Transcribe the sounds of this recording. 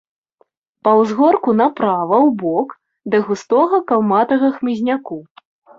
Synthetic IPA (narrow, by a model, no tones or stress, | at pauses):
pɐwzɣɔrkunɐpɾavɐwbɔk | d̪ɐɣust̪ɔɣɐkalˠmat̪ɐɣɐxmʲizʲnʲaku